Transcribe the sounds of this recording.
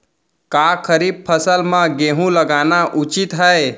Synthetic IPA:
kakʰəɾib̚pʰəsəlmãɡeɦũləɡanaʔut͡ʃit̪ɦəe

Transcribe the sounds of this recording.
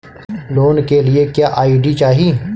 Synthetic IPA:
loːnkelɪekjaːʔaːjiːɖit͡ʃaːɦiː

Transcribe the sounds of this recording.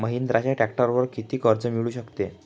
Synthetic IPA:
məɦiːnd̪ɾat͡ɕaʈækʈəɾʋəɾkit̪iːkəɾd͡zəmiɭuːɕəkt̪e

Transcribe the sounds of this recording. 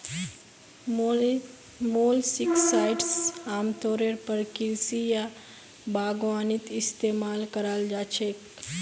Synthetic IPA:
moːlsɪksaːɪʈsaːmt̪oːɾeɾpəɾkɪɾsija | baːɡʋaːnɪt̪ɪst̪eːmaːlkəɾaːld͡ʒaːt͡ʃʰek

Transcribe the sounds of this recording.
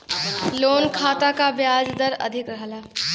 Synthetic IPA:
lonkʰat̪akabjad͡zd̪əɾə̰d̪ʱikɾəɦla

